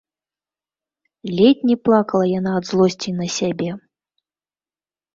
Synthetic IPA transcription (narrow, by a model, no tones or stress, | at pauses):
lʲɛtʲnʲiplˠakɐlˠɐjanaːd̪zlˠɔsʲt͡sʲinɐsʲabʲɛ